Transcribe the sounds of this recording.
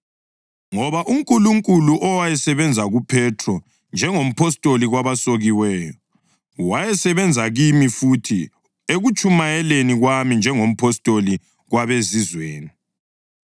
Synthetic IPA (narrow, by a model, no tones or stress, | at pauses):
ŋɔβaʔuŋkʼuluŋkʼuluʔɔwajɛsɛβɛnd͡zʱaɣupʰɛtʰrɔ | nd͡ʒʱɛŋom̩pʰɔstʼoliɣwaβasoɣiwɛːjɔ | wajɛsɛβɛnd͡zʱaɣimifutʰi | eɣut͡ʃʼumajɛleniɣwamind͡ʒʱɛŋom̩pʰɔstʼoli | ɣwaβezizweːni